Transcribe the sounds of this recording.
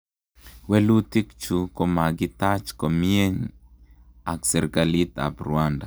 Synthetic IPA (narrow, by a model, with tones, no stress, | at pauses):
wɛ˦lu˦t̪i˦kt͡ʃu˨ko˨ma˨ɡɪ˦t̪a˦t͡ʃko˨mie˦ɲ | a˨ksɛ˨ɾɡa˨li˦t̪a̰˨bɾuanda˨